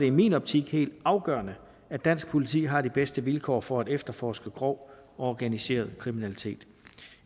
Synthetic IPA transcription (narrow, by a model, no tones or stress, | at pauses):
ɾ̥e̝imḭːnɒ̽b̥̚t͡sʰiɡ̥he̝̰ːld̥ɑ̈ʊɡ̥ɶɐnə | æd̥æn̰sɡ̥̚pʰo̝lit͡sʰḭːɦɑ̈ɾ̥ib̥esd̥əʋilkʰɒ̰ːfɒ̽æd̥efd̥ɐfɒːsɡ̥əɡ̥ʁɒʊ̰ɒɒɡ̥ænise̝̰ːɐð̞̩ˠkʰʁiminælit͡sʰe̝̰ːd̥